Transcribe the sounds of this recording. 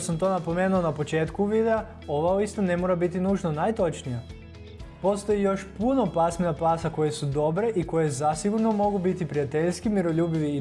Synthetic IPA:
samt̪o̞ːnapo̞meːnuonapo̞t͡ʃe̞ːt̪kuʋid̪ea | o̞ʋauist̪one̞moɾabit̪inuːʒnonajt̪o̞t͡ʃnija | po̞st̪o̞jijo̞ʃpuno̞pasmenapaːsako̞je̞sud̪o̞bɾe̞ʔiko̞je̞zasiɡuɾno̞mo̞ɡubit̪ipɾijat̪eʎʲskimiɾo̞ʎuːbiʋi

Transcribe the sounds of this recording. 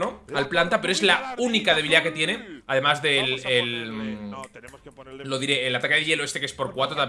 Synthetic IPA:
oalplant̪apeɾoe̞zlaunikaðe̞βiliðake̞t̪je̞neaðe̞mazðe̞lel | lo̞ðiɾe̞ːlat̪akeðeʎe̞loe̞st̪e̞kee̞spo̞ɾkwat̪ɾot̪am

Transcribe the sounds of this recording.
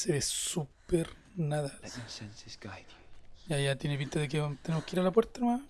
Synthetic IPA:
seβesupeɾ | naðainsensisɡajd̪jajat̪jenep̬int̪aðek̬eat̪enemohkeiɾalapweɾt̪anomam

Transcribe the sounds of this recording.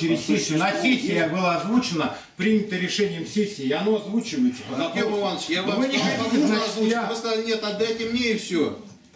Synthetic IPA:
ɪɾʲɪsʲesʲɐsʲesʲːɪjəbɨlˠaːzvut͡ɕɪnə | pɾʲinʲɪt̪əɾʲɪʂɛnʲɪjəmsʲesʲːɪːɐno̞ɐzvut͡ɕɪvəjɪt̪səpɐzɐpemʊanʃjaɐmʲiɐɨaɐzuamɨskɐzalʲɪnʲet̪ɐd̪ɛtʲɪmnʲeɪfsʲo

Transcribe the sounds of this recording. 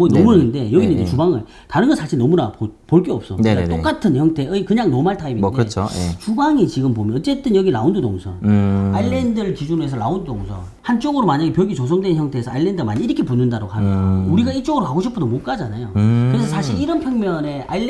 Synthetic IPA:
mʌnʌmunɯnde̞jʌɡinɯndet͡ɕubaŋɯɭ | taɾɯnɡʌnsʰaɕʰinʌmunapopoɭk͈eʌp̚s͈ʌnt͈ok͈atʰɯnçjʌŋtʰe̞ɯikɯɲaŋnomaɭtʰaiminkdeɯt͡ɕʰt͡ɕubaŋit͡ɕiɡɯmpomjʌnʌt͡ɕ͈e̞t͈ɯnjʌɡiɭa̰undudoŋsʰʌ̰ailːe̞ndɯɭt͡ɕid͡ʑune̞sʰʌɭaundodoŋsʰʌ | hant͡ɕ͈oɡɯɾomaɲaɡe̞pjʌɡit͡ɕosʰʌŋdwençjʌŋtʰe̞ːsʰʌailːendɯmaɲiːɾʌkʰepunɯndaɾoɡɦamjʌuɾiɡaiɭt͡ɕ͈oɡɯɾokaɡoɕʰip͈ʰunomok͈ad͡ʑanajo̰kkɯɾesʰʌsʰaɕʰiɾiɾʌnpʰjʌŋmjʌne̞a̰i

